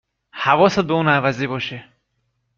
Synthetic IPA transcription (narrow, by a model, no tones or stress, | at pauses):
hævɒːsæd̪̚beuːnævæziːbɒːʃe